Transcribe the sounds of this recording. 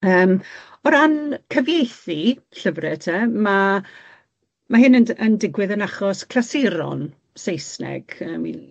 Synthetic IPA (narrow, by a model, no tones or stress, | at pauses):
əːm | ɔɾankʰəvjejθi | ɬəvrɛtʰɛma | maɦɪnənəndɪɡwɪðənaχɔskʰl̥asɪɾɔ̰n | sejsnɛ̰ɡ̥əːmḭn